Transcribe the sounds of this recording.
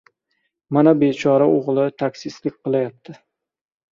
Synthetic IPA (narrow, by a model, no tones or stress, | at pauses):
manabet͡ʃʰɒɾaoʁlˠɪt̪ʰakʲsɪslɪk̚ʲqɨlˠajap̚t̪ʰɪ